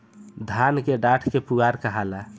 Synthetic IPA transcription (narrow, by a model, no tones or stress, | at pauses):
d̪ʱankeɖaʈʰkepuɡaɾkəɦala